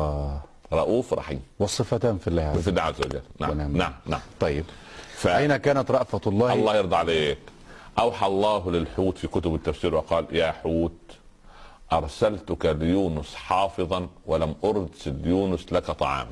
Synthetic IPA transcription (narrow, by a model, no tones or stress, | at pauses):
ɾˤɑʔuːfɾˤɑ̰ħḭːmwɑsˤːɨfat̪aːmfilːaːhʕfilːaːʕazːawa̰d͡ʒa̰lːnaʕana̰ʕamna̰ʕamt̪ˤɑjːɪbfaajnakaːnat̪ɾˤɑʔfat̪lˤːɑːhɑlˤːɑːhjɑɾd̪ˤɑʕaleːk | ʔawħaɑʔɑlˤːɑːɦlɪlħuːt̪fikʊt̪ʊbɪt̪ːafsiːɾwɪqɑːljaːħuːt̪̚ | ʔɑɾˤsalt̪ʊkaljuːnʊsħɑːfɨðˤɑnwɪlamʔʊɾˤd̪sɪljuːnʊslakat̪ˤɑʕɑ̰ːm